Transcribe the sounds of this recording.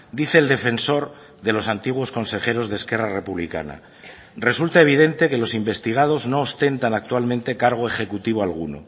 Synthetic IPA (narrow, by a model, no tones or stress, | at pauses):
d̪iθeːld̪e̞fe̞nso̞ɾ | ðe̞lo̞sant̪iɣwo̞sko̞nse̞χe̞ɾo̞zðeske̞rare̞puβlḭka̰na̰ | re̞sult̪ae̞β̞iðe̞nt̪e̞ke̞lo̞simbe̞st̪iɣ̞að̞o̞zno̞ːst̪e̞nt̪anak̚t̪walmẽnt̪e̞kaɾɣ̞o̞e̞χe̞kut̪iβ̞oalɣṵno̰